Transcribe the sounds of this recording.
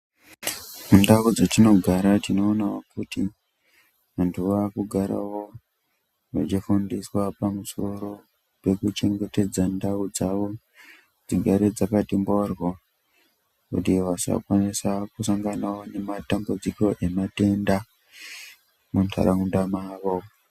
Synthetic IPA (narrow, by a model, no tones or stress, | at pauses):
mundaud͡zotino̞ɡʱaɾatino̞ːnawokuti | ʋantʰuʋaːkuɡʱaɾa̰wo̞ | ʋa̰t͡ʃifundiswapamuso̞ɾo̞ | pe̞kut͡ʃe̞ŋɡe̞te̞d͡zandaud͡zaʋo̞ | d͡ziɡʱaɾed͡zakatimborwo | kṵtiʋasa̰kwanisakusaŋɡanawo̞ne̞matambud͡ziko̞ʔe̞mate̞nda | muntʰa̰ɾaundamaːʋo